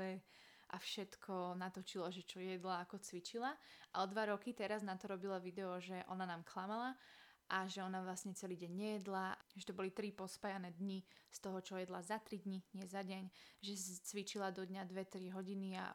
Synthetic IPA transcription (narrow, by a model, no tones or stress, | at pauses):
ɛ | ʔafʃɛt̪kʰɔnat̪ɔt͡ʃilɔʒɛt͡ʃɔjɛd̪laːkɔt͡sʋit͡ʃilaʔaɔd̪ʋaɾɔkit̪ɛɾaznat̪ɔɾɔbilaʋid̪ɛɔʒɛʔɔnanaːmklamalaʔaʒɛɔnaʋlasɲɛt͡sɛliːɟɛɲːɛjɛd̪laʒɛt̪ɔbɔlit̪ɾipɔspajanɛːd̪ɲist̪ɔɦɔt͡ʃɔjɛd̪lazat̪ɾid̪ɲiɲɪɛzaɟɛɲʒɛst͡sʋit͡ʃilad̪ɔd̪ɲad̪ʋɛt̪ɾiɦɔɟinia̰